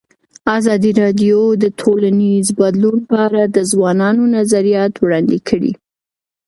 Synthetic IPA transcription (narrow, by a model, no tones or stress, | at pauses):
azɑd̪iɾɑɖjod̪ətʰolanizbad̪lunpəaɾad̪əzwɑnɑnonazaɾijɑt̪wɽɑnd̪ekʰəɽḭ